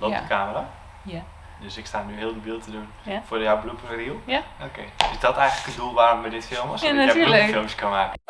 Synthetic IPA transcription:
lodəkʰaːməra | døsɪkstaːnyɦɪːlˠdəbilˠtədunfʊədjawbəlupfərilˠokʰḛɪsdɔtɛjɣənləkəndulˠʋaːromːɛdɪtfɪlˠmɔsafɪlˠmskɔnmaːkə

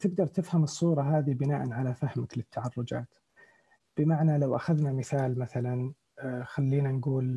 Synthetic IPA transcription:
t̪ɪɡ̚d̪ɑɾˤt̪ɪfhamɨsˤːuːɾˤɑɦaːðibɪnaːʔanʕalafahmaklɪt̪ːaʕɑrˤːʊd͡ʒa̰ːt̪ | b̥ɪmaʕnalawʔaxaðnamɪθaːlmaθalan | xalːiːnanɡuːl

